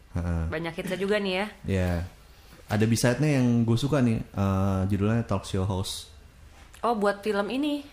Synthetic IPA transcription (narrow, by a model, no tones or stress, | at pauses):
əʔəbaɲakit̪sad͡ʒuɡanijaja | ʔadabisajt̪̚ɲajaŋɡuasukanɪʔəd͡ʒədulaɲat̪ɔksioɦaus | ʔɔbuat̪̚filəmini